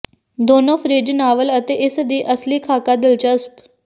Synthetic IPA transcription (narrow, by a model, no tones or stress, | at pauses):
d̪oːnoːfʰɾeːd͡ʒnaːʋələt̪eʔɪsd̪iːʔəsliːkʰaːkad̪ɪlt͡ʃasp